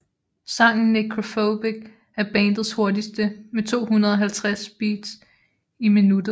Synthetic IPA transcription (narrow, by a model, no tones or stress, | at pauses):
sɑ̈ŋ̰n̩mikʰʁo̝fob̥iɡ̥̚ | æɐb̥ɛːnd̥ð̩ˠsho̝ɐdisd̥əmet͡sʰo̝̰ːhunɐðˠɒ̽ɦælt͡sʰʁasb̥ḭːd̥s | iminud̥ɐ